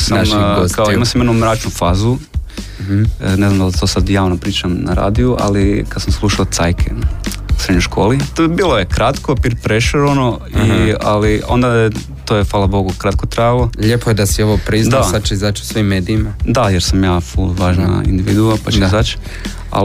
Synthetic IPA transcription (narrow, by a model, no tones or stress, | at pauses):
saakaoimasamjenoumɾaːt͡ʃnufaːzu | neznamd̪alt̪o̞sad̪jaːʋnopɾiːt͡ʃamna̰ɾa̰ːd̪iuʔa̰likad̪samslˠuʃaot̪sajkʰe | usɾed̪ɲojʃkʰo̞ːlibiːlojekɾat̪kopiɾpɾeʃeɾono | ialio̰nd̪ae | t̪ojefaːlˠabo̞ɡukɾat̪̚kot̪ɾajalˠoʎepojed̪asioʋopɾizd̪asat͡ʃeizat͡ʃu̥sʋimːeːd̪iimad̪ajeɾsamjaːfulʋaːʒna̰ḭnd̪iʋḭd̪uapat͡ʃeɡazat͡ʃ | a̰